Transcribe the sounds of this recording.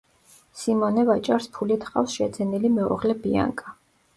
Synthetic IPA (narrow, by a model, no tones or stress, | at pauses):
simɔnɛvat͡ʃʼaɾspʰulit̪ʰqʼa̰fsʃɛd̪zɛnilimɛɔ̰ʁlɛbia̰ŋkʼa